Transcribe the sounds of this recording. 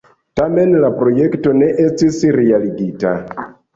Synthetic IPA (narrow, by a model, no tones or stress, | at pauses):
tamenlapɾojektoneʔestisɾialiɡita